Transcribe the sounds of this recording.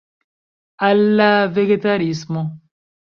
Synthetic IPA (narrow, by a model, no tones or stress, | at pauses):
alːaveɡet̪aɾismo